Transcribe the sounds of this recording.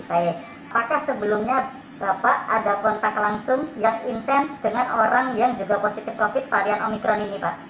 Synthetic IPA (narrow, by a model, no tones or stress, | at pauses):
pajɛ | apakahsəbəlʊmɲa | b̥apaʔadakɔnt̪aklaŋsʊŋjaŋint̪ɛnsd̥əŋanoɾaŋjaŋd͡ʒuɡaposit̪ɪfkofɪt̪̚paɾianomikɾɔninipa̰ʔ